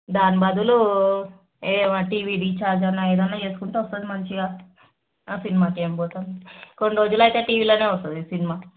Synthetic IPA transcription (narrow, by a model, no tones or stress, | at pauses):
d̪aːnibɐd̪ulu | eːmaʈiːʋiːɖiːt͡ʃaːɾd͡ʒɐnːaːeːd̪ɐnːaːt͡ʃe̞ːsu̥kuɳʈeːʋɐst̪aːd̪imɐnt͡ʃiɡaː | sinimaːkeːmbɔːt̪aːnko̞nɖiɾo̞ːd͡ʒulɐjt̪e̞ːʈiːʋiːloːne̞ːʋɔst̪ɐd̪isinimaː